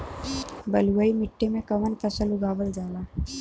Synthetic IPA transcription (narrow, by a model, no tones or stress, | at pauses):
bɐlwaimɪʈːemẽkɐmənpʰəsəlʊɡaːbəld͡ʒaːlaː